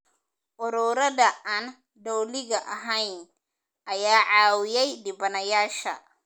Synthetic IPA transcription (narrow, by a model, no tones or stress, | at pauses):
ʔʊɾuːɾɐðɐʔan | d̪ɔwlɪɣɐʔɐɦɐjn | ʔɐjaːʕɑːwɪjɛjd̪ɪbɐnɐjaːʃɐ̰